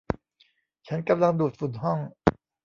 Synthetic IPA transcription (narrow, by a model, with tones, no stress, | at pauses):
t͡ɕʰa˦˥nka˧mla˧ŋduː˨˩t̪̚fu˨˩nɦɔ˥˩ŋ